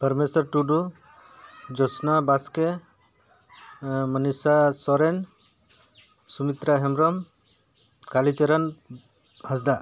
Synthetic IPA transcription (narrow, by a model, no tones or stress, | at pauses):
pəɾmesɔɾʈuɖu | d͡ʒɔsnabaske | mənisasɔɾen | sumit̪ɾaɦɛmɾɔm | kalit͡ʃeɾɔn | hasd̪a